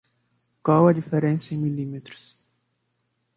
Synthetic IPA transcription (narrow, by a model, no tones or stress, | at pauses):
kwawɐd͡ʒifeɾẽnsɐẽj̃milimet̪ɾʊ̥s